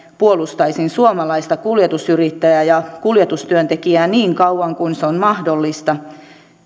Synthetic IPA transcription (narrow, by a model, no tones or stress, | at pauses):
puolust̪ɑisinsuomɑlɑist̪ɑkuljet̪usyrit̪ːæjæjɑkuljet̪ust̪yønt̪ekiæːniːŋkɑuʋɑŋkuinseonmɑhdolːist̪ɑ